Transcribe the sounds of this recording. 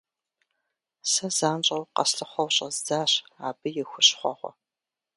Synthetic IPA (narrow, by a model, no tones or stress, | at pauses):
sɐzaːnt͡ʃʼɐwqɐsɬɨχʷɔwɕʼɐzd͡zaːɕa̰ːbɨjɛxʷʊɕχʷɔʁʷɔ̰